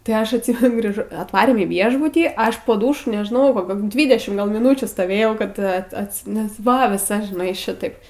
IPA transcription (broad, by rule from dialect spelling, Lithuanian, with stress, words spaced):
tɐɪ ˈɐʃ ɐtʲˈsʲiːmʲɛnʊ ɡrʲiːˈʒoː ɐtˈʋɑːrʲeːm iː ˈʋʲiɛʒbʊtʲiː ˈɐʃ poː ˈduːʃʊ nʲɛʒˈnɐʊ koːˈkʲoː ˈdʲʋʲiːdʲɛʃʲɪm mʲɪˈnuːt͡ʃʲuː stoːˈʋʲeːjɛʊ kɐt ˈɐt ˈɑːtʲsʲɪ nʲɛs ˈʋɐ ʋʲɪˈsɐ ʒʲɪˈnɐɪ ˈʃʲɪtɐɪp